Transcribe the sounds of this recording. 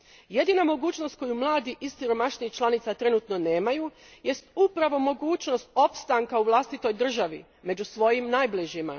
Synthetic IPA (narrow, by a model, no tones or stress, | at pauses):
je̞d̪inamo̞ɡuːt͡ɕno̞st̪̚ko̞jumlˠaːd̪iʔissiɾo̞maʃniixt͡ʃlanit̪sat̪ɾe̞nuːt̪no̞ne̞ːmaju | je̞st̪upɾaʋo̞mo̞ɡuːt͡ɕno̞st̪o̞pst̪aŋkauʋlˠast̪it̪o̞jd̪r̩ʒaʋi | me̞d͡ʑusʋo̞jimnajbliʒima̰